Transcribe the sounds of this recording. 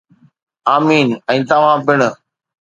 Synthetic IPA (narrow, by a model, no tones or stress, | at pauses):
aːmiːnɛ̃ːt̪ɐʋ̤ãːbɪɽ̃ə